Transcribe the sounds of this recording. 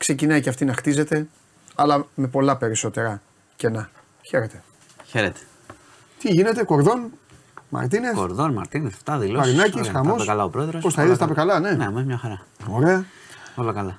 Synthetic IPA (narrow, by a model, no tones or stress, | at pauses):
kse̞cinɐjceɐft̪inɐxt̪ize̞t̪e̞ | ɐlɐme̞po̞lɐpe̞ɾiso̞t̪e̞ɾɐ | ce̞nɐ | çe̞ɾet̪e̞̥ | çe̞ɾet̪e̥ | t̪iʝinet̪e̞ko̞ɾðo̞n | mɐ̰ɾt̪̬inesko̰ɾðonmɐ̰ɾt̪inesft̪ɐðilɐɾinɐcisxɐmo̞sekɐlɐopɾo̞eðɾospost̪ɐiðest̪ɐpekɐlɐne̞nemɐzmɲɐxɐɾɐo̞ɾe̞ɐ | olokɐlɐ